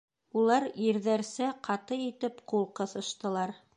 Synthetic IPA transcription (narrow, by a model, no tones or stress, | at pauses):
ulˠɑɾjɘɾðæɾsæqʰɑt̪ɤit̪ɘpqulˠqɤ̆θɤ̆ʃt̪ɤ̆lˠɑɾ